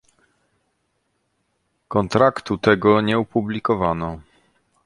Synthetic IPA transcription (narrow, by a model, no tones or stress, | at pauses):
kɔnt̪ɾakt̪ut̪ɛɡɔɲɛupublʲikɔvanɔ